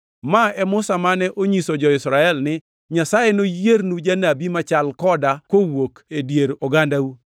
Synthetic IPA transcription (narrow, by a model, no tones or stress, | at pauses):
maɛmʊsamanɛʔoɲisod͡ʒɔɪsɾaɛlnɪ | ɲasajenojeɾnud͡ʒanabimat͡ʃalkɔdakowokedjeɾoɡandau